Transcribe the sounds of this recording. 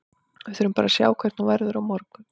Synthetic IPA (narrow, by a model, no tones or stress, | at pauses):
ɛθʏɾʏmpaːɾasja̰ːwkʰvɛɾt̪nuvɛɾðʏɾawmɔɾkʏ